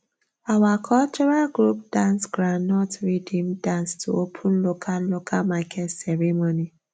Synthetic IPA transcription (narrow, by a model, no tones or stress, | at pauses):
awakʰɔlt͡ʃɔɾalɡɾup̚d̥ãnsɡɾannɔtɹidĩmdãnstʰuopʰũnlokʰallokʰalmakʰɛtsɛɹemoni